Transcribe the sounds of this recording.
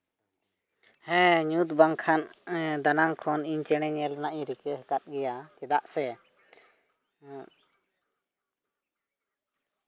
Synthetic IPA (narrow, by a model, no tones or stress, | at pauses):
hɛ̃ɲut̪baŋkʰand̪anaŋkʰɔniɲt͡ʃɛɽ̃ɛɲɛlɔnaʔɲɾikɛkat̪̚ɡɛjat͡ʃɛd̪aʔsɛ